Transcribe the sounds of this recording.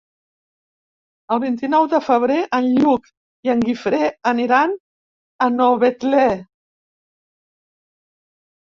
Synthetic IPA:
əlˠβint̪inɔwðəfəβ̞ɾeʔənʎuk | iəŋɡifɾeəniɾan | ənoβet̪lɛ

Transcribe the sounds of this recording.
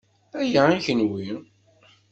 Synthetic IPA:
æjæːnçənwin

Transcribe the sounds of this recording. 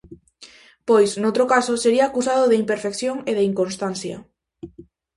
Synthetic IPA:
pojsnowt̪ɾokasoseɾiaːkusaðoðeimpeɾfekθjoŋeðeiŋkonst̪anθjɐ̰

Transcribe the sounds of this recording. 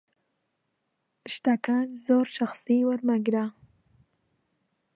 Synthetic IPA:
ʃʈ̪akanzoɾʃaxsiwaɾmaɡɾa

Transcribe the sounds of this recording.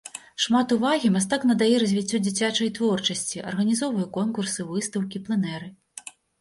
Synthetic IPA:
ʂmat̪uvaɣʲimast̪aknɐd̪ajɛɾɐzʲvʲit͡sʲːɔd͡zʲit͡sʲat͡ʂɐjt̪vɔrt͡ʂɐsʲt͡sʲiʔɐ̰rɣɐnʲizɔvɐjukɔnkursɨvɨst̪ɐwkʲiplˠɨnɛɾɨ

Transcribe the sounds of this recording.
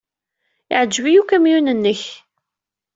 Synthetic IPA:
iʕəd͡ʒːvijukæmjunənːəç

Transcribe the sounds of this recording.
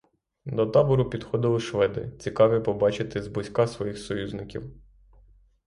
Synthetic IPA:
d̪ɔt̪ɑbɔɾʊpʲid̪xɔd̪ɪlˠɪʃʋɛd̪ɪ̰t͡sʲikɑʋʲipɔbɑt͡ʃɪt̪ɪzbʊsʲkɑsʋɔjixsɔjuzʲnɪkʲḭw

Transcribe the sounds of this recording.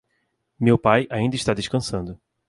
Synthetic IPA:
mewpajaĩnd̪ɐɪʃt̪ad̪eʃkɐ̃sɐ̃nd̪ʊ

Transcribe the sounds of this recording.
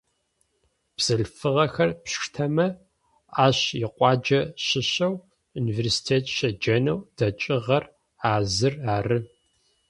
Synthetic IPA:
b̥z̥ɨɬfɨʁɐxɐrpɕtʰɐmɐ | aːɕjɪqʷʼɑːd͡ʒɐɕɪɕɐw | universi̥tʰeːtʰʃɐd͡ʒɐnɐwd̥ɐt͡ʃʼɪʁɐr | aːzɨraːrɨ

